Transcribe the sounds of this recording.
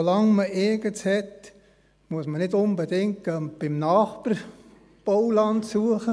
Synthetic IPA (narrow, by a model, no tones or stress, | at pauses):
olɑŋməɪɡəshɛt̪ | muəsmənɪdʊnbədɪŋtəb̥ɪmnɑːχpər | b̥ɔwlɑntsuəχə